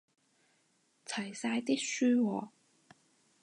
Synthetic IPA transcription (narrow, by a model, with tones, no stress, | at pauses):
t͡sʰɐ˨˩jsaː˧jt̪i˥k̚syː˥wɔː˨˦